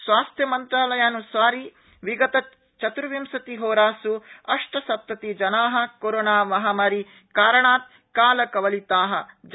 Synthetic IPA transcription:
sʋaːst̪ʰjɐmɐnt̪ɾaːlɐjaːnusʋaːɾi | ʋiɡɐt̪ɐ | t͡ʃɐt̪uɾʋimsɐt̪iɦoːɾaːsuɐʂʈɐsɐp̚t̪ːɐt̪id͡ʒɐnaːɦɐ̆koːɾoːnaːmɐɦaːmaːɾi | kaːɾɐɳaːt̪̚ | kaːlɐkɐʋɐlit̪aːɦɐ̆d͡ʒ

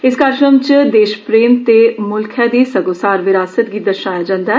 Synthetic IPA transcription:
ɪskaːɾkɾəmt͡ʃd̪eːʃpɾeːmt̪emʊlkʰjãd̪iːsəɡoːsaːɾʋɪɾaːsət̪ɡiːd̪əʃaːjad͡ʒãːnd̪aː

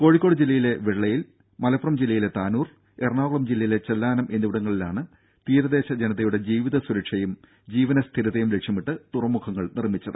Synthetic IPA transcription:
ko̞ːɻikʲːo̞ːɽɨd͡ʑilːɐjile̞ʋeɻːɐjil | mɐlɐpːrɐmd͡ʑilːɐjile̞t̪aːnuːr | erɳaːɣuɭɐmd͡ʑilːɐjile̞t͡ɕɐlːaːnɐmʔe̞nːuʋiɽɐŋːɐɭilaːɳɨ | t̪iːɾɐðe̞ːɕɐd͡ʑenɐðɐjuɽed͡ʑiːʋiðɐsuɾɐkʂɐjum | d͡ʑiːʋɐnɐst̪ʰiɾɐðɐjumle̞kʂjɐmiʈːɨt̪urɐmːukʰɐŋːɐɭnirmːit͡ɕːɐðɨ

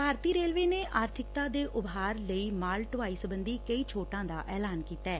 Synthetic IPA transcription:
paːɾt̪iːɾeːlʋeːneːʔaːɾt̪ʰɪk̚t̪aːd̪eːʔʊbɦaːɾləiːmaːlʈʋaːiːsəbənd̪iːkəiːt͡ʃʰoːʈãːd̪aːʔɛːlaːnkiːt̪aɛː

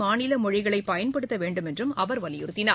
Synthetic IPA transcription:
aːnɪlɐmɔɻɪɣɐɭɐɪpːɐjɐnpɐɽɯt̪ːɐʋeːɳɖɯmɛndrɯmɐʋɐɾʋɐlɪjʊɾɯt̪ːɪnaː

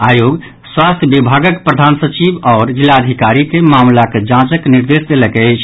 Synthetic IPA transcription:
ajoɡ | swast̪ʰjəbibʱaɡəkpɾəd̪ʱansət͡ʃibɔːɾd͡ʒilːaəd̪ʱikaɾikemamlaked͡ʒãt͡ʃəkniɾd̪esd̪elɛkɛt͡ʃʰ

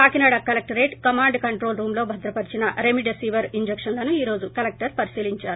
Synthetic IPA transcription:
paːkinaːɽɐkɐlek̚ʈɐɾeːʈkɐmaːɳɖkɐɳʈɾo̞ːlɾuːmlo̞ːbʱɐd̪ɾɐpɐɾit͡ʃinɐʔɾemiɖesiːʋɐɾiɲd͡ʒekʂɐnlɐnuiːɾo̞ːd͡ʒukɐlek̚ʈɐɾpɐɾisiːliɲt͡ʃaːɾu

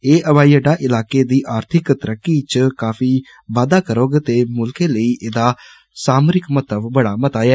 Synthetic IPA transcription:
eːʔəʋaːiəɖaːʔɪlaːkeːd̪iːʔaːɾt̪ʰɪkt̪əɾəkːiːt͡ʃəkaːfiː | ʋaːd̪aːkəɾoːɡt̪eːmʊlkeːləiːʔɪd̪aː | saːmɾɪkmət̪əbbəɽaːmət̪aːɛː

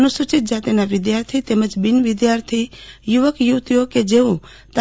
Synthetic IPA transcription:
nʊsʊt͡ʃɪt̪̚d͡ʒat̪enaʋɪd̪jaːɾt̪ʰit̪eːmɐ̃t͡ʃbɪnʋɪd̪jaːɾt̪ʰijuʋəkjut̪joked͡ʒeːo | t̪a

